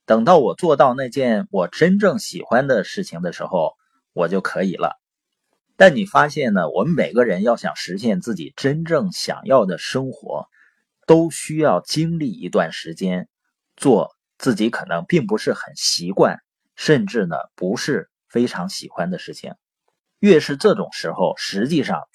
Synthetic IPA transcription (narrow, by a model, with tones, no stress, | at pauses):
t̪ɤ˨˩ŋt̪ɑ˥˩ʊwɔ˨˩t͡swɔ˥˧t̪ɑ˥˧ʊna˥˧ɪt͡ɕjɛ˥˩nwɔ˨˩ʈ͡ʂə˥nʈ͡ʂɤ˥˩ŋɕḭ˨˩xwa˥nd̪ə˨ʂɻ̩˥˩t͡ɕʰi˩ŋd̪ə˩ʂɻ̩˧˥xo˥˧˩ʊ | wɔ˨˩t͡ɕjo˥˩ʊkʰɤ˧˥i˨˩lə̰˦ | t̪a˥˩ni˨˩fa˥ɕjɛ˥˩nnə˩wʔɔ̰˧˩mme˨˩ɪɡə˦˧ɻə˧˥njɑ˥˩ʊɕjɑ̰˨˩ŋʂɻ̩˧˥ɕ̬jɛ˥˧nt͡sɹ̩˥˩t͡ɕḭ˨˩ʈ͡ʂə˥nʈ͡ʂɤ˥˩ŋɕjɑ̰˨˩ŋjɑ˥˩ʊd̪ə˩ʂɤ˥ŋxwɔ̰˧˥ | t̪o˥ʊɕy˥jɑ˥˩ʊt͡ɕi˥ŋli˥˩ḭ˧˥t̪wa˥˩nʂɻ̩˧˥t͡ɕjɛ˥n | t͡swɔ˥˧ | t͡sɹ̩˥˩t͡ɕi˧˥kʰɤ˨˩nɤ˧˥ŋpi˥˩ŋpu˧˥ʂɻ̩˥˩xə˨˩nɕi˧˥kwa̰˥˩n | ʂə˥˧nʈ͡ʂɻ̩˥˩nə̰˩pu˧˥ʂɻ̩˥˩ | fe˥ɪʈ͡ʂʰɑ˧˥ŋɕi˨˩xwa˥nd̪ə˨ʂɻ̩˥˩t͡ɕʰḭ˩ŋ | ɥɛ˥˧ʂɻ̩˥˧ʈ͡ʂɤ˥˩ʈ͡ʂʊ̰˨˩ŋʂɻ̩˧˥xo˥˧ʊʂɻ̩˧˥t͡ɕi˥˧ʂɑ̰˥˩ŋ